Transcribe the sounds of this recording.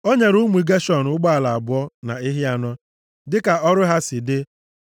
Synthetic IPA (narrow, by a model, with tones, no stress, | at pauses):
o˦ɲe˨ɾu˦mʷu˨ɡa˦ʃɔ˨n˨ʊ˦ɡ͡ba˦a˨la˨a˨bʊ˦ɔ˦na˨ɪ˦ɦɪ˦a˨nɔ˦ | dɪ˦ka˨ɔ˦ɾʊ˦ɦa˦sɪ˨dɪ˦